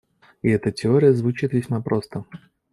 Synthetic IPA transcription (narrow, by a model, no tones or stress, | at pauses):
ɪɛt̪ətʲɪo̞ɾʲɪjəzvʊt͡ɕit̪vʲɪsʲmapɾʔo̞st̪ə